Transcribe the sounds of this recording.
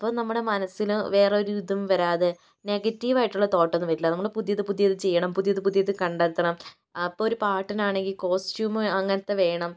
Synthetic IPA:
ɐpːoːnɐmːuɽe̞mɐnɐsiluʋe̞ːreo̞ɾuɾuðɐmʋɐɾaːðe | ne̞ɡɐtːiʋaːjiʈːuɭːɐt̪o̞ːʈːɐnːɨʋɐɾilːɐnɐmːɐɭepuðjɐðɨpuðjɐðɨt͡ɕe̞jːɐɳɐmpuðjɐðɨpuðjɐðɨkɐɳɖɐɾt̪ːɐɳɐm | ɐpːooɾupaːʈːɐnaːɳe̞ŋɡilko̞ːstjuːmɨɐŋːɐnɐt̪ːe̞ʋe̞ːɳɐm

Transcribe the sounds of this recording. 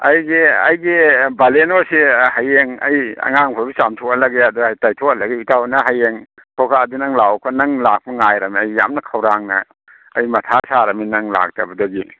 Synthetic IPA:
ɐ̰jɡiɐ̰jɡibalenosihajeŋɐjɐ̰ŋaŋpʰɔbisamtʰokalɐɡeadujtajtʰokalɐɡiutawnɐɦajeŋ | tʰɔkʰaɐdunɐŋlawkʰɔnɐŋlak̚pɐŋajɾɐmiɐjːa̰mnɐkʰawɾaŋnɐ̰ː | jmɐtʰasaɾɐminɐŋla̰k̚tɐbɐdoɡi

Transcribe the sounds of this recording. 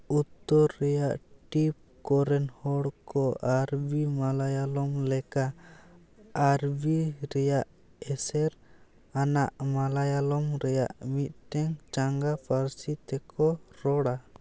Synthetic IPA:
ut̪ːɔɾːɛjaʔʈip̚ | kɔɾɛnhɔɽkɔʔaɾbimalajalɔmlɛka | aɾbiɾɛjaʔ | ɛsɛɾ | anaʔmalajalɔmɾɛja̰ʔmit̪̚ˀʈɛŋt͡ʃaŋɡapʰaɾsit̪ɛkʰɔɾɔɽa

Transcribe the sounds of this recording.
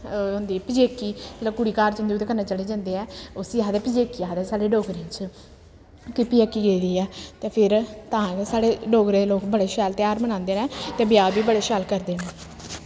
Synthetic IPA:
ɦʊ̃nd̪iːɛpɪd͡ʒeːkːiːd͡ʒəlãːkʊɽiːkaːɾt͡ʃːnd̪ioːt̪eːkənaːt͡ʃəleːd͡ʒãːnd̪eːɛːʊsiaːd̪ɛːpɪd͡ʒeːkːiaːd̪ɛːsaːɽeːɖoːɡɾẽːt͡ʃ | kɪpiɛːkiːɡeːd̪iːɛːt̪eːpʰɪɾt̪ãːsaːɽeːɖoːɡɾeːd̪eloːkbəɽeːʃɛːlt̪ɪjaːɾmənãːnd̪eːnɛ̃ːt̪eːbɪjaːbiːbəɽeːʃɛːlkəɾd̪eːnɛ̃ː

